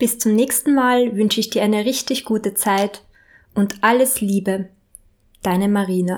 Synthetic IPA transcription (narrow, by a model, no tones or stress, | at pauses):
b̥ɪst͡sʊmnɛːçstn̩maːlvʏnʃəɪçd̥iːɐʔaɪnəʁɪçtɪçɡ̥uːtət͡saɪt | ʔʊntʔaləsliːbə | d̥aɪnəmaʁiːna